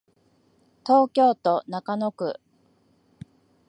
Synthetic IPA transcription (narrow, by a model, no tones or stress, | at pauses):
t̪o̞ːkʲo̞ːt̪o̞nakano̞kɯ̟̰